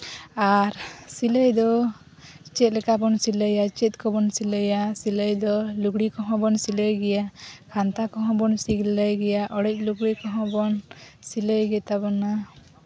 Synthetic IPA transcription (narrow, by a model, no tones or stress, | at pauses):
aɾsiləjd̪ɔ | t͡ʃɛt̪̚lɛkabɔnsiləjat͡ʃɛt̪̚ˀkɔbɔnsiləjasiləjd̪ɔluɡɽikɔɦɔ̃bɔnsiləjɡɛjakʰant̪akɔɦɔ̃bɔnsiɡlləjɡɛjaʔɔɽɛc̚luɡɽikɔɦɔ̃bɔnsiləjɡɛt̪abɔna